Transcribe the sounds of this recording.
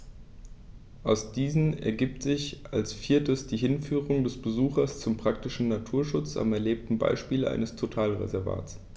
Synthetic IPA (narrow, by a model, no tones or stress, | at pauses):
ʔaʊsd̥iːzn̩ɛ̰ɐɡiːp̚tz̥ɪçʔa̰lsfiːɐtəsd̥iːɦɪnfyːʁ̞ʊŋdɛsb̥əzuːxɐst͡sʊmpʁ̥aktɪʃn̩natʰuːɐʃʊt͡sa̰mɛɐleːp̚tn̩ba̰ɪʃpiːlʔa̰ɪnəstʰotʰaːlʁḛzɛɐva̰ːts